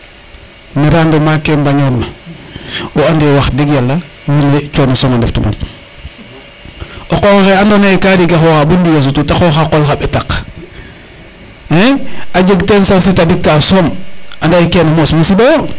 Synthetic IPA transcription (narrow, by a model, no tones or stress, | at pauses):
meɾandemakembaɲomːa | oandewaxdiɡjalːa | jinet͡ʃonosoŋandḛftuma̰n | ʔokooxeandonaikaɾiɡaxoxabundijas̬ututaxoxakolxabetak | eaɟeɡtensans̬itadikːasomandaikenamosmusibajo